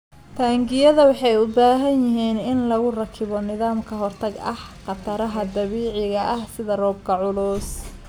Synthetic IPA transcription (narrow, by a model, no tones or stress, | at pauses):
t̪ʰaːŋɡɪjɐðɐwɑħɑjʊbaːɦɐnjɪɦiːnɪnlɐɣʊrɐkʰɪβɔnɪðaːmkʰɐɦɔrt̪ʰɐɡɐ̰hqɑt̪ʰɐɾɐɦɐd̪ɐβiːʕɪɣɐʔɐhsɪðɐrɔːb̚kʰɐʕʊlʊːs